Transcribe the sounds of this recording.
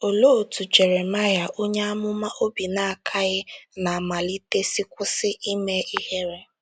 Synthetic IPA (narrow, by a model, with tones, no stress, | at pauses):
o˨lo˦˨tu˨d͡ʒe˨ɾe˨ma˦ja˨ʔo˦ɲe˦a˦mʊ˦ma˦ʔo˦bi˨na˦a˨kʰa˦ɣɪ˦na˨a˨ma˨li˦te˦si˦kʷʊ˦sɪ˦ʔi˦me˦i˦he˦ɾe˦